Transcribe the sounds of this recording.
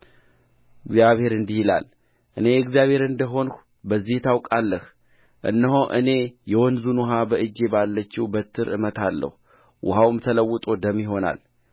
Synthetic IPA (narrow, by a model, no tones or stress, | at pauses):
ɨɡzjaβhe̞ɾɨnd̪ihila̰l | ʔɨne̞jɨɡzjaβhe̞ɾɨnd̪əɦo̞n | bəzːiht̪ʰawkʼalːəh | ʔɨ̰nːəɦoʔɨ̰ne̞jɛwɔnzunɦabəʔɨd͡ʒːe̞balːət͡ʃːiwbət̪ʰːɨɾɨ̰mət̪ʰalːə̰hu | wʊhawmt̪ʰələwːʊt̪ʼo̞d̪əmːiɦo̞na̰l